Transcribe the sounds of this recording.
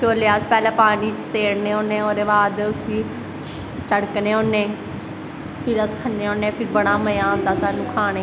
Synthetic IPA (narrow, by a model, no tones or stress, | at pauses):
t͡ʃoːljaːspɛːlãːpaːniːt͡ʃseːɽnẽːoːnːẽːoːɾeːʋaːd̪ʊsiː | t͡ʃəɽkneːoːnːẽː | p̪ʰiɾəskʰənːeːoːnẽːpʰɪɾbəɽ̃aːməjãːõnd̪aːsaːnũːkʰaːɽ̃eː